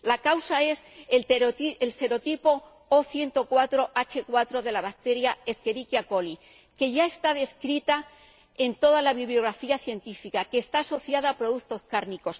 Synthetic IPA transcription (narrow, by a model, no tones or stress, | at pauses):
lakawsae̞s | else̞ɾo̞t̪ipo̞ | oθje̞nt̪o̞kwat̪ɾo̞ʔat͡ʃekwat̪ɾo̞ðe̞laβak̚t̪e̞ɾjae̞ske̞ɾikjako̞li | ke̞ʝae̞st̪aðe̞skɾit̪a | e̞nt̪o̞ðalaβiβljo̞ɣɾafiaθje̞nt̪ifikake̞ːst̪aːso̞θjaðaːpɾo̞ðuθt̪o̞skaɾniko̞s